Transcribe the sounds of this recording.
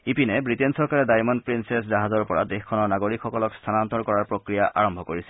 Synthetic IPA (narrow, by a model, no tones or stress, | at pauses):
ipinɛbɹitensɔɹkaɹɛdajmɔnpɹinsesdaɦazɔɹpɔɹa̰dexkʰɔnɔɹnaɡoɹikxɔkɔlɔkst̪ʰanant̪ɔɹkɔɹaɹpɹokɹijaʔʔaɹɔmbʱɔkoɹisɛ